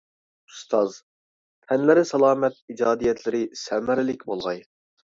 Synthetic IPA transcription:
ust̪ʰɑz | t̪ʰɛnlɪɾɪsɑlˠɑːmɛt̪̚id͡ʒɑːd̪ijɛt̪lɪɾɪsɛmæɾɪlɪkʲbolˠʁɑj

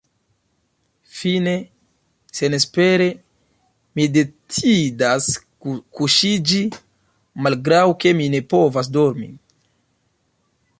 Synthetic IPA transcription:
fine̞ | se̞nespe̞ɾe̞ | mide̞t͡sidas | kuʃid͡ʒi | malɡɾawke̞mine̞po̞vas̬do̞ɾmḭ

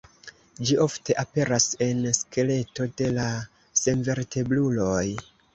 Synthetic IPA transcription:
d͡ʒiʔo̞fte̞ʔape̞ɾase̞nske̞le̞to̞de̞la | se̞nve̞ɾte̞blulo̞j

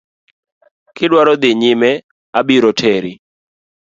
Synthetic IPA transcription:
kɪdwaɾɔd̪ɪɲɪmɛ | abiɾɔtʰɛɾɪ

